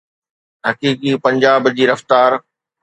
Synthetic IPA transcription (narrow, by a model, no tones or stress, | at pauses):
ɦɐkiːkipɐ̃ɲd͡ʑaːbd͡ʑiːɾɐft̪aːɾ